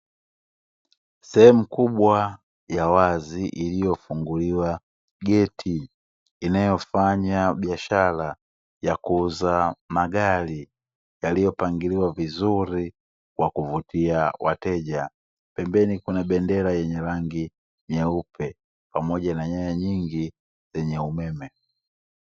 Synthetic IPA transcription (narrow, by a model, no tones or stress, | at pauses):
sɛhɛmukuɓwa | jawaziʔilijɔfuŋɡuliwa | ɡɛtʰiː | najɔfaɲaɓiaʃala | jakuzamaɡali | jalijɔpaŋɡiliwavizuɾi | kwakuvutiawʔa̰tɛʄa | pɛmbɛnikunaɓɛndɛlajɛɲɛlaŋɡi | ɲɛupʰɛ | pamɔɟanaɲajaɲiŋɡi | zɛɲɛumɛmɛ